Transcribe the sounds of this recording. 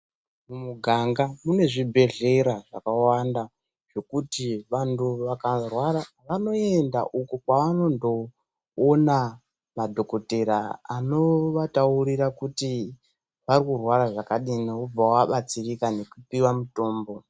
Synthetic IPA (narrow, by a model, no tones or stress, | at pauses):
mumuɡʱaŋɡamune̞ʐibʱe̞ɮe̞ɾaʐakawanda | ʐ̥o̞kutiʋantuʋakarwaɾa | ʋano̞e̞nda̰ʔukukwaʋano̞ndo̞ː | na | madʱo̞ko̞te̞ɾaano̞ʋatauɾirakuti | ʋarikurwaɾaʐakaɗiniub͡vawaɓat͡sirikane̞kupiwamuto̞ːmbo̞